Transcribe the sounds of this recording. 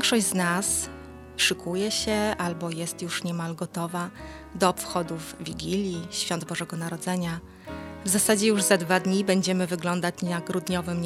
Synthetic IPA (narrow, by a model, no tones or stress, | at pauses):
ŋkʂɔʑznas | ʂɘkʰujɛɕɛʔalbɔjɛst̪juʂɲɛmalɡɔt̪ɔva | d̪ɔːpfxɔd̪uvːʲiɡʲilʲjiɕfʲjɔnd̪bɔʐɛɡɔnaɾɔd̪zɛɲa | vzasad͡ʑɛjuʐzad̪vad̪ɲibɛɲd͡ʑɛmɘvɘɡlɔnd̪at͡ɕ̪aɡɡɾud̪ɲɔvɘmɲ